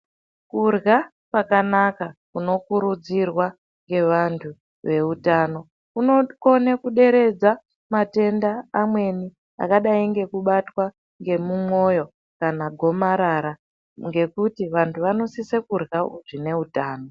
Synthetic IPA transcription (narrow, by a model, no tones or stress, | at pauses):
kurɣa | kwakanakakuno̞kuɾud͡zirwa | ŋɡe̞ʋantʰu | ʋe̞utaːno̞ | kunoko̞nekuɗe̞ɾe̞d͡za | mate̞ndaːmwe̞ni | a̰kaɗaiŋɡe̞kuɓatwa | ŋɡe̞mumo̞jo̞ | kanaɡʱo̞maɾaɾa | ŋɡe̞kutiʋantʰuʋano̞sisekurɣaṵʐine̞utaːno̞